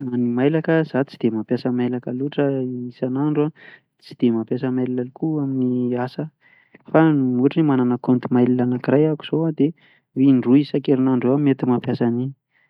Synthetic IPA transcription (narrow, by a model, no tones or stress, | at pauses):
animajlakəz̥at͡si̥d̪̥emapjasəmajlakəluʈ͡ʂəisanaɳɖ͡ʐua | t͡si̥d̪̥emapjasəmajlilalikuaminiasə | fanmuʈ͡ʂinimananakont̪imajlilanakirajaku̥z̥oad̪e | wiɳɖ͡ʐuisakeɾinaɳɖ͡ʐuamet̪imapjasani